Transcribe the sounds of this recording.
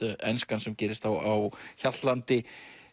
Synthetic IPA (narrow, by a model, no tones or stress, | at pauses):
ɛnskansɛmcɛːɾɪst̪θawawçat̪lant̪ɪ